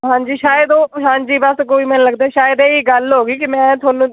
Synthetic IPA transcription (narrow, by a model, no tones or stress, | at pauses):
ɦãːɲd͡ʒiːʃaːjəd̪oːɦãːɲd͡ʒiːbəskoːiːmɛ̃ːnləɡd̪aːɛːʃaːjəd̪ɛːiːɡəlɦoːɡiːkɪmɛ̃ːt̪ʰʊaːnũː